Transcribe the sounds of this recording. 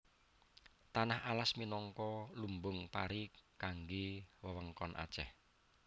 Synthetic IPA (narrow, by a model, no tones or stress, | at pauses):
t̪anahalasminɔŋkɔlumbʊŋpaɾikaŋɡewəwəŋkɔnʔa̰t͡ʃɛh